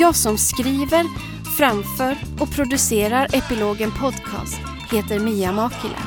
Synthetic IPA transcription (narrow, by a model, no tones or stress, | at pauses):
ɑːsɔmskɾiːvəɾ | fɾamfœːɾ | ɔpʰɾʊd̪ɵseːɾaɾɛpɪloːɡənpʰɔd̪kʰɑ̰ːst̪ | heːt̪əɾmiːamɑːkɪlʔə̰